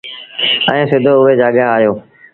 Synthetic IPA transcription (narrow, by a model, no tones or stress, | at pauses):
ɛ̃ːsɪd̪ʱoʊɦed͡ʒaːɠaaːjoː